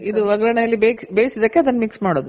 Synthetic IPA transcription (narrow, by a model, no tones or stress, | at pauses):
id̪uʋɐɡɾɐɳɐjɐlːibebeːjsid̪ɐkːeɐd̪ɐnːɐmiksmaːɽoːd̪u